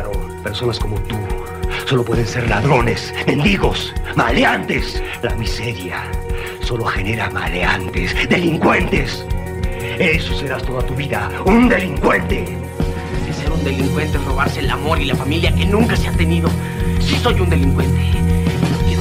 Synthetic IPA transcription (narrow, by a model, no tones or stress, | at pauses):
o | pe̞ɾso̞nasko̞mo̞t̪u | so̞lo̞pwe̞ðense̞ɾla̰ðɾo̞nesmẽ̞nd̪iɣo̞smaleant̪e̞slamise̞ɾja | so̞lo̞xe̞ne̞ɾama̰leant̪esd̪e̞liŋkwe̞nt̪e̞s | e̞sose̞ɾast̪o̞ðat̪uβiða | und̪e̞liŋkwe̞nt̪e | eseaɾund̪e̞liŋkwe̞nt̪ero̞βaɾse̞ːlamo̞ɾilafamiljake̞nũŋkaseat̪e̞niðo̞ | siso̞jund̪e̞liŋkwe̞nt̪e̞noke